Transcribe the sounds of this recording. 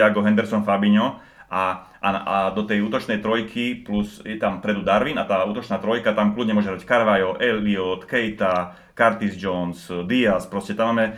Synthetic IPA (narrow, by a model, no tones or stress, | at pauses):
aɡɔɦɛnd̪ɛɾsɔnfabiɲɔ | a | ʔaad̪ɔt̪ɛjuːt̪ɔt͡ʃnɛjt̪ɾɔjkʰiplusjɛt̪ampɾɛd̪ud̪aɾʋinat̪aːuːt̪ɔt͡ʃnaːt̪ɾɔjkat̪amkluɟɲɛmʊɔʒɛɦɾackaɾʋajɔʔɛlʋiɔt̪kɛjt̪a | kaɾt̪izd͡ʒɔnsd̪iaspɾɔscɛt̪amːaːmɛ